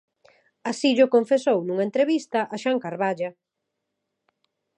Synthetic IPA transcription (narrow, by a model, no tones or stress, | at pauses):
asiʎʊkoɱfesownũŋɐent̪ɾeβist̪ɐʔaʃaŋkaɾβaʎɐ